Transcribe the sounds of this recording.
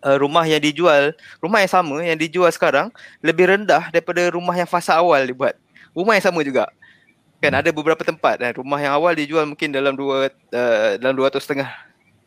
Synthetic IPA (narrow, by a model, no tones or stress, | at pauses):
ʔəɾumahjaŋdid͡ʒualrumahjaŋsamə̃jaŋdid͡ʒualsə̥kaɾaŋləbɪhɾəndahdaɾipadaɾumaɦjaŋfasaːwaldibuat̪̚ | rumahjaŋsamə̃d͡ʒuɡa̰ʔ | kanadabəbəɾapat̪əmpat̪̚aɾumaɦjaŋawaldid͡ʒualmũŋkɪndalamdua | ədalamduat̪ʊst̪əŋah